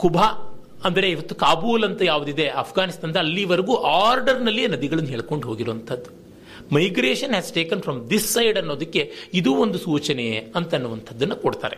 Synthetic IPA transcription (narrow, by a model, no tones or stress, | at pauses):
kubʱa | ɐnd̪ɐɾe̞iʋɐt̪ːukaːbuːlɐnt̪ɐjaːʋud̪id̪e̞ɐːpʰɡaːnist̪aːnd̪ɐɐlːiʋɐɾɐɡuːʔaːɾɖɐɾnɐlːeːnɐd̪iɡɐɭɐnːuɦeːɭko̞ɳɖuɦo̞ːɡiɾuʋɐnt̪ʰɐd̪ːu | mɐjɡɾeːʂɐnɦæːsʈeːkɐnfʰɾɐmd̪isːɐjɖɐnːo̞ːd̪ɐkːe̞id̪uːond̪usuːt͡ʃɐneɐnt̪ɐnːuʋɐnt̪ʰɐd̪ːɐnːɐkoɽt̪a̰ːɾe